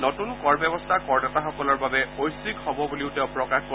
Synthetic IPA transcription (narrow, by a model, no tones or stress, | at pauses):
nɔtunkɔɹbjɛbɔstʰakɔɹnɛtaxɔkɔlɔɹbabɛojsikhɔbɔbuliʊtɛʊ̃pɹɔkaxko